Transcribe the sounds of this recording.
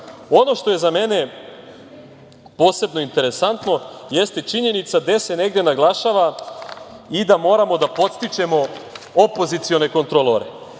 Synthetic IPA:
o̞no̞ʃt̪o̞je̞zame̞ne̞ | po̞ːse̞bno̞int̪e̞ɾe̞sant̪no̞jest̪e̞t͡ʃiɲe̞nit̪sad̪ese̞ne̞ɡd̪jenaɡlˠaʃaːʋa | id̪amo̞ːɾamo̞d̪apo̞t̪st̪it͡ʃe̞mo̞opo̞zit̪sio̞ne̞ko̞nt̪ɾolˠoɾḛ

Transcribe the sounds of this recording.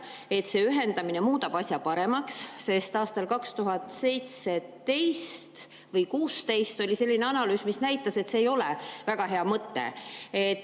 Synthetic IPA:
e̞t̪se̞ːyɦe̞nd̪ɑmine̞muːt̪ɑb̥ɑsʲjɑpɑɾe̞mɑksse̞st̪ɑːst̪ɑlkɑkst̪uɦɑt̪se̞jt̪set̪e̞jst̪ | vɤjkuːst̪e̞jst̪o̞lʲise̞lːineɑnɑlyːsmisnæjt̪ːˑɑse̞t̪se̞ːjo̞lḛvæɡ̥ɑɦe̞ɑmɤt̪ːˑḛet̪

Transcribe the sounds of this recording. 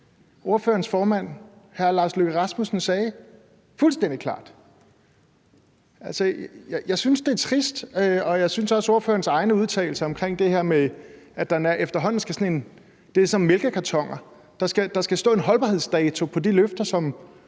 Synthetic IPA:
o̝ɐfø̰ːɐnsfɒːmæn̰hæɐlɑ̈ːsløɡ̥əʁɑsmusn̩sɛː | fulsd̥en̰d̥ikʰlɑ̰̈ːd̥ | ʔælsəjjɑ̈ɪsynsd̥e̝æɐt͡sʰʁisd̥øɒ̽jɑ̈ɪsynsɒ̽so̝ɐfø̰ːɐn̩sɑ̈ɪnəuð̞ˠt͡sʰɛ̰ːɪl̩səɒ̽mkʰʁeŋ̰d̥e̝he̝ɐ̰meæd̥ænæɐʔefd̥ɐɦɒ̽n̰n̩sɡ̥æsɒne̝n | d̥e̝sɒ̽mmelɡ̥əkʰæt͡sʰɒ̽ŋ̰ɐ | d̥ɑ̈sɡ̥æd̥ɑ̈sɡ̥æsd̥ɔ̰ːe̝nɦɒ̽lb̥ɑ̈he̝ð̞̰ˠsd̥ɛːt͡sʰupʰɒ̽d̥iløfd̥ɐsɒ̽m

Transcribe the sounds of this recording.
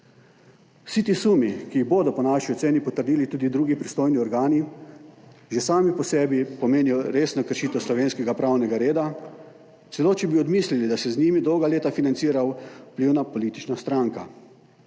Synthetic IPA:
wsit̪iːsumikiɣboːd̪ɔpɔnaːʃiɔt̪seːnipɔt̪əɾd̪iːlit̪uːd̪id̪ɾuːɡipɾist̪oːjniɔɾɡaːni | jɛsaːmipɔsɛːbipɔmeːniɔɾeːsnɔkəɾʃiːt̪ɛwslɔʋeːnskɛɡapɾaːwnɛɡaɾeːd̪a | t̪sɛloːt͡ʃɛbiɔd̪mislilid̪asɛzniːmid̪ɔwɡaleːt̪afinansiːɾawpliwnapɔliːt̪i̥t͡ʃnast̪ɾaŋka

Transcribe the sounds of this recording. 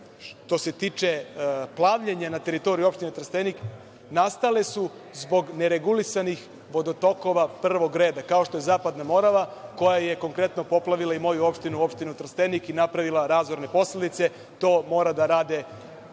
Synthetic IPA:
ʃt̪o̞se̞t̪iːt͡ʃe̞plˠaʋʎeɲanat̪e̞ɾit̪o̞ɾijuo̞pʃt̪inet̪r̩st̪enik | nast̪ale̞su | zbo̞ɡneɾe̞ɡulisanix | ʋo̞d̪ot̪o̞ko̞ʋapr̩ʋo̞ɡɾe̞ːd̪akaoʃt̪oje̞zaːpad̪namo̞ɾaʋako̞jaje̞ko̞ŋkɾe̞t̪no̞po̞plˠaʋilˠaimo̞juo̞pʃt̪inuo̞pʃt̪inut̪r̩st̪e̞nikinapɾaʋilˠaɾaːzʋo̞ɾne̞po̞sled̪it̪se̞ | t̪o̞ːmo̞ːɾad̪aɾaːd̪e̞

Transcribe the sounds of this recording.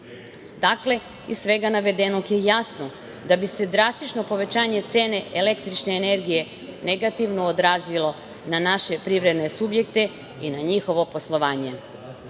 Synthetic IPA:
d̪akle̞ | isʋe̞ɡanaʋe̞d̪enokjejasno̞ | d̪abise̞d̪ɾast̪it͡ʃno̞po̞ʋe̞t͡ɕaːɲe̞t̪se̞ːne̞ʔele̞k̚t̪ɾit͡ʃneːne̞ɾɡije̞ | neɡat̪iʋnoːd̪ɾaːzilˠo̞ | nanaʃe̞pɾiʋɾe̞d̪nesubje̞kt̪e̞ | inaɲixo̞ʋo̞poslˠo̞ʋaːɲe̞

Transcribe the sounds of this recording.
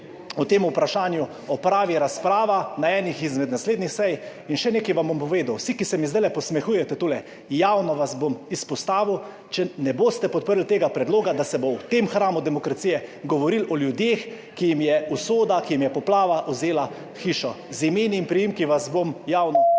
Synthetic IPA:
ɔt̪eːmupɾaʃaːnju | ɔpɾaːʋiɾaspɾaːʋanaɛːnixizmɛd̪nasleːd̪nixsɛjinʃɛneːkɛjʋambompɔʋeːd̪awsikisɛmizd̪aɪlɛpɔsmɛxuːjɛt̪ɛt̪oːlɛ | jawnɔʋazbomispɔst̪aːʋiw | t͡ʃɛnɛboːst̪ɛpɔt̪̚pəɾlt̪eːɡapɾɛd̪loːɡad̪asɛbowt̪emxɾaːmud̪ɛmɔkɾat̪siːjɛɡɔʋɔɾilɔljud̪jeːx | kijimjɛusoːd̪akijimjɛpɔplaːʋaʔɔzeːla | xiːʃɔ | zimeːniːmpɾijimkiʋazbomjaːwnɔ

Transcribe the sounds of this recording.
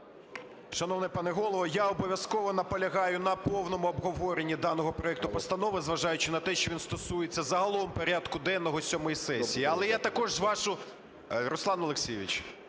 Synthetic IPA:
ʃɐnɔʋnɪpɑnɪɦɔlˠɔʋɔjaɔbɔʋʲjɐskɔʋɔnɐpɔlʲɐɦɑjʊnɐpɔwnɔmʊɔbɦɔʋɔɾenʲːid̪ɑnɔɦɔpɾɔɛk̚t̪ʊpɔst̪ɐnɔʋɪzʋɐʒɑjʊt͡ʃɪnɐt̪ɛʃt͡ʃɔʋʲinst̪ɔsujet͡sʲːɐzɐɦɐlˠɔʋɔmpɔɾʲad̪kʊd̪ɛnːɔɦɔsʲɔmɔjisɛsʲijiɐlˠɛjat̪ɐkɔʒʋɑʃʊ | ɾɔslˠɑnɔlˠeksʲijɪʋʲit͡ʃ

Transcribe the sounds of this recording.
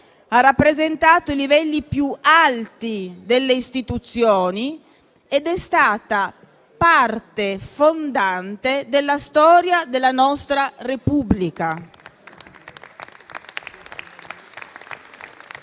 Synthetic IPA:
arːapːɾezent̪aːt̪oilivɛlːipjualt̪id̪elːeist̪it̪ut̪sːjoːni | ed̪ɛst̪aːt̪a | part̪efond̪ant̪ed̪elːast̪ɔːɾjad̪elːanɔst̪ɾarepubːlika

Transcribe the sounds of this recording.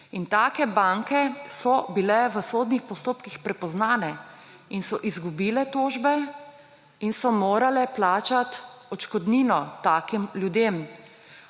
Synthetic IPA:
int̪aːkɛbaŋkɛsɔbilɛʋəsoːd̪nixpɔst̪oːpkixpɾɛpɔznaːnɛ | insɔʔizɡubiːlɛt̪oːʒbɛ | insɔmoːɾalɛplaːt͡ʃat̪ɔt͡ʃkɔd̪niːnɔt̪aːkimljud̪em

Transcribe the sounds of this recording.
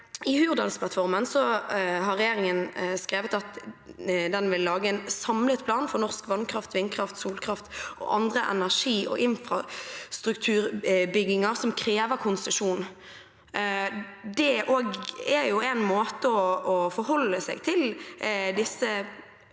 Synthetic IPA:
ɪhʉːʁd̪ɑlspʰlɑt̪fɔʁmənsɔɦɑʁːɛjeːɾɪŋənskɾeːʋət̪ɑt̪ | d̪ɛnʋɪlːɑːɡəɛnsɑmlət̪pʰlɑːnfɔɾnɔʁskʋɑnkʰɾɑft̪ʋɪnːkʰɾɑft̪suːlkʰɾɑft̪ʔɔ̰ʔɑnd̪ʁəʔɛ̰næʁʂiːʔɔ̰ʔɪnfɾɑst̪ɾʉkt̪ʰʉːɾbʏɡɪŋɑɾsɔmkʰɾeːʋəɾkʰʊnsəʂuːn | d̪ɛʔoːɡæɾjʊɛnmoːt̪əɔɔfɔɾhɔlːəsɛ̰ɡt̪ʰɪld̪ɪsːə

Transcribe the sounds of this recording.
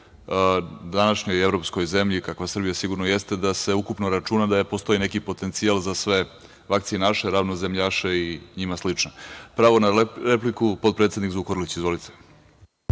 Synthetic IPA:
d̪anaʃɲo̞jevɾo̞psko̞jze̞mʎikakʋasr̩bijasiɡuɾnojest̪e̞d̪ase̞ukupnoɾat͡ʃunad̪apo̞st̪o̞jine̞kipo̞t̪e̞nt̪sialˠzasʋe̞ | ʋak̚t̪sijenaʃeɾaʋnozemʎaʃeiɲimaslit͡ʂnapɾaʋo̞naɾeplikupopɾet̪ed̪nikzukoɾlit͡ɕizʋo̞lit̪ʰe

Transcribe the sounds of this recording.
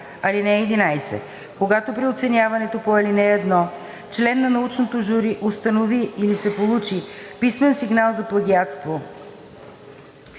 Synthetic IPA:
ɐlinɛɛd̪inajsɛ̰ | koɡat̪opɾiot̪sɛnjavɐnɛt̪opoɐlinɛɛd̪nɔ | t͡ʃlɛnːɐnɐut͡ʃnot̪oʒuɾiʔost̪ənoviːlisɛpolˠut͡ʃipismɛnsiɡnalˠzɐplˠɐɡiat̪st̪vo

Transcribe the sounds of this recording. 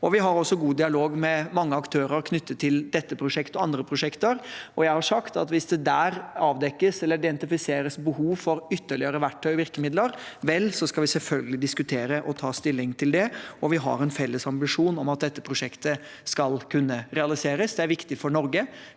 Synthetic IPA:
ɔʋɪɦɑɾɔsːɔɡuːd̪ɪɑloːɡmɛmɑŋːəɑkt̪ʰøːɾəɾkʰnʏt̪ːət̪ʰːɪld̪ɛt̪ːəpʰɾʊʂɛkt̪ɔɑnd̪ɾəpʰɾʊʂɛkt̪əɾɔjæɪhɑʂɑkt̪ɑ̰t̪ʋɪsd̪ɛd̪æːɾɑːʋd̪ɛkːəsɛlːəɾɪd̪ɛnt̪ɪfɪseːɾəsbəhuːʋfɔɾʏt̪ːəɭɪəɾəʋæʈʰːœʏʋɪɾkəmɪd̪ləɾʋɛlːsɔskɑlʋɪsɛlfœlɡəlɪd̪ɪskʉt̪ʰeːɾəʔɔt̪ʰɑːst̪ɪlːɪŋt̪ʰɪld̪ɛɔʋɪɦɑ̰ɾɛnfɛlːəsɑmbɪʂuːnɔmɑt̪̚d̪ɛt̪ːəpʰɾʊʂɛkt̪əskɑlkʰʉnːəɾɛɑlɪseːɾəsd̪ɛæɾʋɪkt̪ɪfɔɳɔɾɡə

